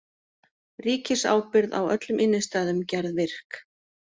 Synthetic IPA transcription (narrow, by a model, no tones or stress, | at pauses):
riːcɪsa̰ːwpɪɾða̰wœ̰t̪lʏmʔɪnːʏst̪aːðʏmcaɾðvɪr̥k